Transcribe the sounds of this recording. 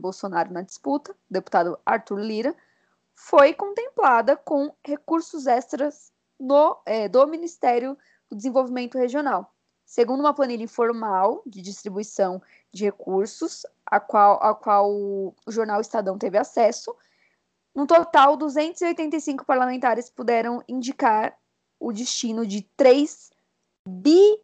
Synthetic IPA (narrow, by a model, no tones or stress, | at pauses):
bowsonaɾʊnɐd͡ʒi̥sput̪ɐd̪epu̥t̪ad̪ʊa̰ɾt̪uɾliɾɐ | fojkõt̪ẽmplad̪ɐkõhekuɾsʊzɛst̪ɾɐz | noɛd̪ominist̪ɛɾjʊ | d̪̥ʊd͡ʒɪzẽvowvimẽnt̪ʊheʒionaw | seɡũnd̪ʊũmɐplɐnilʎɐĩfoɾmawd͡ʒɪd͡ʒist̪ɾibuisɐ̃w̃ | d͡ʒɪhekuɾsʊs | akwawʔa̰kwawʊʒoɾnawist̪ad̪ɐ̃w̃t̪evɪasɛsʊ | nʊt̪ot̪awd̪uzẽnt̪ʊziojt̪ẽnt̪ɐjsĩkʊ̥paɾlamẽnt̪aɾɪspud̪ɛɾɐ̃w̃ĩnd͡ʒikaɾ | ʊd͡ʒist͡ʃĩnʊd͡ʒɪt̪ɾejs | bi